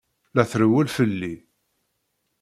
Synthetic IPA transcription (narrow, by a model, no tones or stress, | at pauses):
læθɾəwælfəlːi